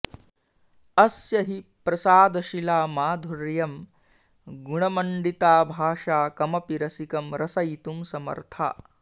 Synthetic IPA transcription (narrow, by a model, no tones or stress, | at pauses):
ɐsjɐɦipɾɐsaːd̪ɐʃilaːmaːd̪ʱuɾjɐm | ɡuɳɐmɐɳɖit̪aːbʱaːʂaːkɐmɐpiɾɐsikɐmɾɐsɐjt̪umsɐmɐ̰ɾt̪ʰa̰ː